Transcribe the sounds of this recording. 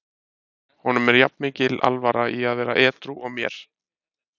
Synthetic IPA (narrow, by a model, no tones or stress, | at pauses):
hɔnʏmɛɾjapnmɪːcɪlʔa̰lvaɾaiaðvɛːɾaʔɛːt̪ɾuʔɔɣmjɛ̰ɾ̥